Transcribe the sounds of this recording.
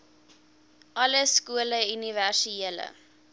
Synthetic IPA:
ʔɐləskuələyniværsieələ̰

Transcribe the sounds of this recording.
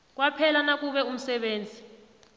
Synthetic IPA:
k̬wapʰɛlanak̬ʼuɓɛum̩sɛɓeːnd͡zʱi

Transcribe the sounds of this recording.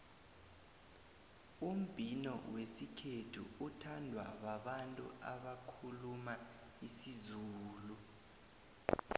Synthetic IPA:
um̩b̥ʱinɔ̰wesikʰetʰṵutʰandʱwa̰waɓantʼṵaɓakʰuluma | isizuːlu

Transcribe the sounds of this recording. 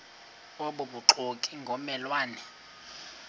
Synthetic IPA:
oɓuɓuǃʰokʼiŋɡʱɔmɛlwaːnɛ

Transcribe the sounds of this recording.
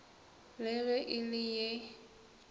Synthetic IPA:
lɪɣɛʔɪlɪje

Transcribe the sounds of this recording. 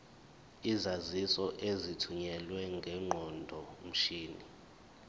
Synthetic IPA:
izazisɔʔezitʰuɲɛlwɛŋɡʱɛŋ͡ǃʱɔndʱɔm̩ʃiːnḭ

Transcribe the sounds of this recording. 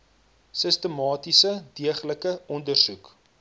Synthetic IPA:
səstəmɑːtisədiəχləkəɔndərsuk

